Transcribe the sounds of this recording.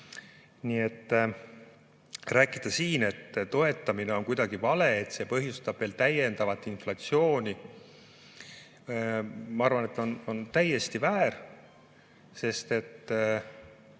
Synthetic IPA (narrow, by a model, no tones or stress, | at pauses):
nie̞t̪ː | ræːkˑid̪̥ɑsiːne̞t̪ːt̪o̞e̞t̪ˑːɑmine̞o̞nkujd̪̥ɑɡ̥ivɑle̞et̪se̞pɤɦjust̪ɑb̥ve̞ːlt̪æje̞nd̪̥ɑvɑt̪ːˑinflɑt̪sio̞ːnʲi | mɑɑrvɑne̞t̪ːˑo̞no̞nt̪æje̞st̪ivæːr | se̞st̪e̞t̪ː